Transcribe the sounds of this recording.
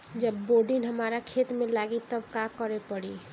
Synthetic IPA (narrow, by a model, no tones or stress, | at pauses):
d͡ʒəbːoːɖinɦəmaːɾakʰeːt̪mẽlaːɡit̪əbkakəɾepəɽi